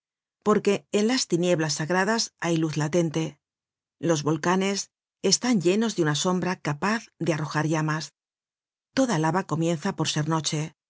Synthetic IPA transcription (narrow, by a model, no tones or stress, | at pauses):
po̞ɾke̞ːnlast̪inje̞βlasːaɣɾaðasajluθlat̪e̞nt̪e̞ | lo̞zβo̞lkane̞s | est̪aɲʎe̞no̞zðeunaso̞mbɾakapaθðearo̞xaɾʝamas | t̪o̞ðalaβako̞mjẽ̞nθapo̞ɾse̞ɾno̞t͡ʃe̞